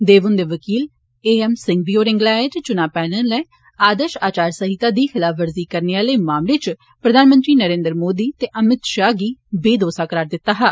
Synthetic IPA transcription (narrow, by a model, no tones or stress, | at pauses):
d̪eːʋʊnd̪eːʋəkiːl | eːɛmsɪŋɡ̚biːoːɾɪ̃ŋɡlaːet͡ʃt͡ʃʊnaːpɛːnəlɛː | aːd̪əʃaːt͡ʃaːɾsəɦit̪aːd̪iːxɪlaːfʰʋəɾziːkəɾneaːləːmaːmleːt͡ʃ | pɾəd̪ʱaːnmə̃nt̪ɾiːnəɾẽːnd̪ɾmoːd̪iːt̪eːʔəmɪt̪ʃaːɡiːbeːd̪oːsaːkəɾaːɾd̪ɪt̪ːaːɦaː